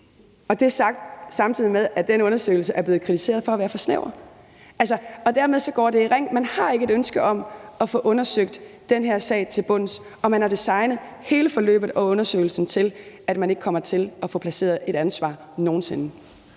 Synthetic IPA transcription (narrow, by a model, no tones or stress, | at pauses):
ɒ̽d̥e̝æɐsɑ̈ɡ̥̚d̥sɑ̈mt͡sʰið̰ˠimeðˠæ̥d̥enəɔ̽nɐsø̰ɪl̩səʔæɐb̥le̝ːð̩ˠkʰʁit͡sʰise̝ːɐðˠfɒ̽ɐʋæːɐfɒ̽snḛʊɐ | ʔæls̬ɐɒ̽d̥æɐmeð̞ˠsɒ̽ɡ̥ɒ̰ːde̝iʁeŋ̰mænhɑ̈e̝ɡ̥əe̝ɾønsɡ̥əɒ̽mɒ̽fɔ̽ʔɔ̽nɐsøɡ̥̚d̥ː | enɦeɐ̰sɛ̰ɪt͡sʰe̝lb̥ɔ̽n̰s | ɒ̽mænæɐd̥isɑ̈ɪnəð̞̩ˠhe̝ːləfɒ̽lø̰ːb̥ð̩ˠɒ̽ɔ̽nɐsø̰ɪl̩sn̩t͡sʰe̝læd̥mæne̝ɡ̥ə̥kʰɒ̽m̰ɐt͡sʰe̝lʔɒ̽fɔ̽pʰlæse̝̰ːɐð̞ˠe̝ɾ̥ænsʋɑ̰̈ː | no̝ːn̩se̝nə